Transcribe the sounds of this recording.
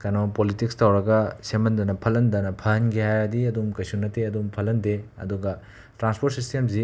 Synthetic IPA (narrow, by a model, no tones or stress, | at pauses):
kɐnopolitikstɐwɾɐɡɐsemɐndɐnɐpʰɐlɐndɐnɐpʰɐɐnɡihajɾɐdiɐdumkɐjsunːɐtʰeɐdumpʰɐlɐndeɐ̰duɡɐ | tɾanspʰoɾt̚sistemsi